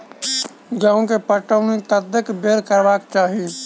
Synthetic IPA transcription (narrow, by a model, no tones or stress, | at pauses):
ɡãːõkepəʈəwnit̪əd̪jəkbeːɾkəɾbaːkt͡ʃaːɦi